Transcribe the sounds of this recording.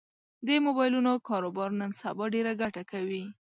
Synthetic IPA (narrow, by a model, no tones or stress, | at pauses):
d̪emobɑjlunokɑɾobɑɾnənsabɑɖeɾaɡaʈakawi